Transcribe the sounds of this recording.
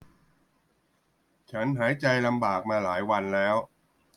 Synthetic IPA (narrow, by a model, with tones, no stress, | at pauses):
t͡ɕʰa˦˥nɦaː˩˦jt͡ɕa˧jla˧mbaː˨˩k̚maː˧laː˩˦jwa˧nlɛː˦˥w